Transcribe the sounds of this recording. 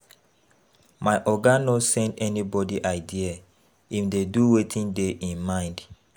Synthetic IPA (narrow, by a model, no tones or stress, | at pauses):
maɪʔɔɡanosɛ̃ndɛnibɔdiʔaɪdia | ifdeduwetʰĩndeʔĩnmãɪ̃nd